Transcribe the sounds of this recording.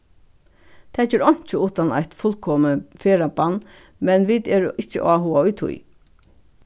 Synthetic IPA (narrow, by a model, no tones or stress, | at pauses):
t̪ʰɛd͡ʒɛːɾɔɲ̥t͡ʃəuːt̪ana̰jt̪fʊlkʰɔːməfeːɾapanː | mɛnʋit̪ɛːɹɪht͡ʃːə̰ʔaɦuːaʊjt̪ʰʊ̰j